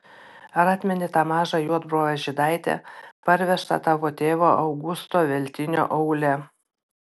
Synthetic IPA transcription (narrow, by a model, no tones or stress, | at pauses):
ɐɾɑːt̪ʲmʲɛnʲɪt̪ɑːmɑːʒɑjuɔd̪bɾoːʋʲɛʒʲɪd̪ɑˑɪt̪ʲɛ̰pɐɾʲʋʲɛʃt̪ɐ̰t̪ɑːʋoːt̪ʲeːʋoːʔɐʊɡʊst̪oːʋʲɛlʲt̪ʲɪnʲo̰ːʔɐʊlʲɛ